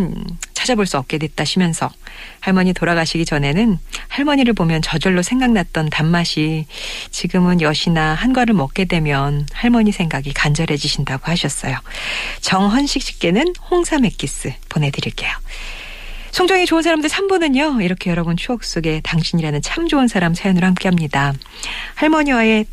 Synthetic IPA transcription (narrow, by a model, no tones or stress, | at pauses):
t͡ɕʰad͡ʑaboɭs͈uʌp̚k͈e̞dwe̞t̚t͈aɕʰimjʌnsʰʌhaɭmʌɲitoɾaɡaɕʰiɡid͡ʑʌne̞nɯnhaɭmʌɲiɾɯɭpomjʌnt͡ɕʌd͡ʑʌɭːosʰe̞ŋɡaŋnat̚t͈ʌntanmaɕʰit͡ɕiɡɯmɯnjʌɕʰinahanɡwaɾɯɭmʌk͈̚e̞dwe̞mjʌnhaɭmʌɲisʰe̞ŋɡaɡikand͡ʑʌɾe̞d͡ʑiɕʰindaɡohaɕʰʌs͈ʌjo | t͡ɕʌŋɦʌnɕʰik̚ɕ͈ʰi̥k̚k͈e̞nɯnhoŋsʰame̞k͈is͈ɯpone̞dɯɾiɭk͈e̞jo | sʰoŋd͡ʑʌŋet͡ɕounsʰaɾamdɯɭsʰambunɯɲoiɾʌkʰe̞jʌɾʌbʌnt͡ɕʰuʌk̚s͈oɡe̞taŋɕʰiɲiɾanɯnt͡ɕʰamd͡ʑoɯnsʰaɾamsʰajʌnɯɾohamk͈eɦamɲida | haɭmʌɲiwae̞